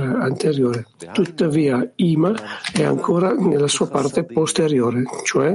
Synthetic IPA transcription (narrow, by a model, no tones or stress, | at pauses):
ɾeant̪eɾjoːɾet̪ut̪ːaviːaiːmaɛa̰ŋkʰoːɾanelːasuːapart̪epost̪eɾjoːɾet͡ʃoɛ